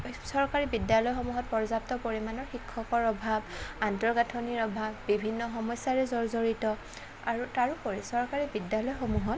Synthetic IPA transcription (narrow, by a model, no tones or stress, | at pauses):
sɔɹkaɹibidjalɔjxɔmuɦɔt̚pɔɹzap̚tɔpoɹimanɔɹxikʰːɔkɔɹɔbʱabantɔɹɡatʰoniɹɔbʱabːibʱinːɔxɔmɔjsaɹɛzɔɹzoɹitɔ | aɹutaɹupoɹisɔɹkaɹibidjalɔjxomuɦɔt